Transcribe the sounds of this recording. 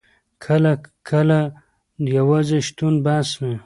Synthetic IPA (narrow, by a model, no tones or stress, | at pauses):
kʰɐlakʰɐla | jawazeʃt̪unbaːsme